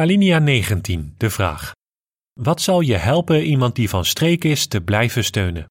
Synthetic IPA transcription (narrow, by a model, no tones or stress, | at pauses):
aliniaːnejχəntind̥əv̥ra̰ːχ | ʋɑtsɑlˠjəɦɛlˠpənʔimɑnt̚divɑnstrejkɪstəblɛjvəstøɥnən